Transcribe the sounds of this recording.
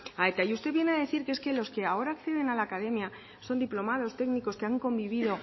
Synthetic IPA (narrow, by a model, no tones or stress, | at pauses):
aet̪ajust̪e̞βjenaðe̞θiɾkeeske̞lo̞ske̞ao̞ɾaːkθe̞ð̞e̞nalaːkaðe̞mja | so̞nd̪iplo̞mað̞o̞st̪e̞ɡniko̞skeaŋko̞mbiβ̞iðo̞